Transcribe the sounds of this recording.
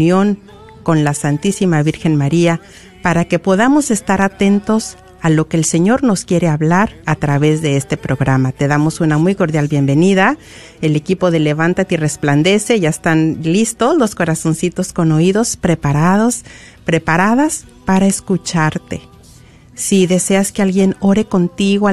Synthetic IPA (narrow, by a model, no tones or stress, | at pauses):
jo̞ŋ | ko̞nlasant̪isimaβiɾxe̞nmaɾia | paɾake̞po̞ðamo̞se̞st̪aɾat̪e̞nt̪o̞s | alo̞ke̞ːlse̞ɲo̞ɾno̞skje̞ɾe̞aβlaɾat̪ɾaβe̞zðe̞est̪e̞pɾo̞ɣɾamat̪e̞ðamo̞sunamujko̞ɾðjalβje̞mbe̞niða | e̞le̞kipo̞ðe̞le̞βant̪at̪eire̞spland̪e̞se̞ʝaest̪anlist̪o̞slo̞sko̞ɾaso̞nsit̪o̞sko̞no̞iðo̞spɾe̞paɾaðo̞s | pɾe̞paɾaðaspaɾaeskut͡ʃaɾt̪e̞ | siðe̞se̞askealɣje̞no̞ɾe̞ko̞nt̪iɣoa